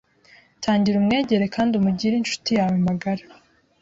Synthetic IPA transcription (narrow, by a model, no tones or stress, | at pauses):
tʰaːɲɟiɾumŋe̞ːɟe̞ɾe̞kaːndumuɟiɾinʃu̥tijaːwembaɡaɾa